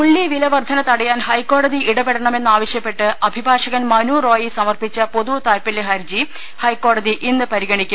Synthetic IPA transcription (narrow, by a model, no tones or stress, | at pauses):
uɭːiʋilɐʋɐrd̪ʱɐnɐt̪ːɐɽɐjaːnhɐjkːo̞ːɽɐðiʔiɽɐbeɽɐɳɐme̞nːɨaːʋɐɕjɐpːe̞ʈːɨɐbʱibʱaːʂɐɣɐnmɐnuːroːjisɐmɐrpit͡ɕːɐpoðut̪aːlpɐlːeɦɐɾd͡ʑi | hɐjkːo̞ːɽɐðiʔinːɨpɐɾiɣɐɳikʲːum